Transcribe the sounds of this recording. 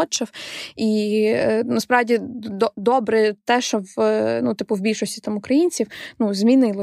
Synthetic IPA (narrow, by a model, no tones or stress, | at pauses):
ɔt͡ʃɐwi | nɐspɾɑwdʲid̪ɔd̪ɔbɾɛt̪ɛʃɔwnut̪ɪpʊwbʲilʲʃɔsʲtʲit̪ɑmʊkɾɐjinʲt͡sʲiwnuzmʲinɪlˠɔ